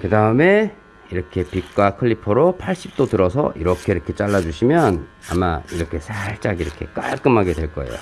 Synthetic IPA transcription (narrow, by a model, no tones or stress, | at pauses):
kɯdaɯme̞ | iɾʌkʰe̞pik̚k͈wakʰɯʎːipʰoɾopʰaɭɕ͈ip̚t͈otɯɾʌsʰʌ̰ʔiɾʌkʰe̞iɾʌkʰe̞t͡ɕ͈aɭːad͡ʑuɕʰimjʌna̰ma̰iɾʌkʰe̞sʰaɭt͡ɕ͈aɡiɾʌkʰe̞̰k͈a̰ɭk͈ɯmɦaɡe̞dwe̞ɭk͈ʌe̞̰jo̰